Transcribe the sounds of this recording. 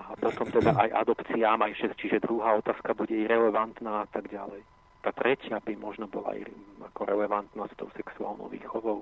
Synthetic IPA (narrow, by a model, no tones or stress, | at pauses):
apɔt̪ɔmt̪ɛd̪aʔajʔa̰d̪ɔpt͡siaːmajʃɛst͡ʃiʒɛd̪ɾuɦaːɔt̪aːskabuɟɛiɾɛlɛʋant̪naːat̪aɡɟa̰lɛj | t̪aːt̪ɾɛcɪabimɔʒnɔbɔla̰ḭakɔɾɛlɛʋant̪nast̪ɔʊsɛksua̰ːlnɔ̰ʊʋḭːxɔʋɔʊ